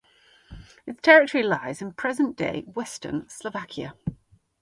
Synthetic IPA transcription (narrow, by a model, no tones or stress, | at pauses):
ɪtstʰɛɹɪtəɹilaɪzɪ̃npʰɹ̥ɛzə̃nd̥ḛɪwɛstə̰nsləvakʰjə̰